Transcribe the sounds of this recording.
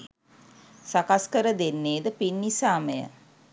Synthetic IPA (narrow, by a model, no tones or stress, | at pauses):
sakaskəɾəd̪enːeːd̪əpinːisaːməjə̰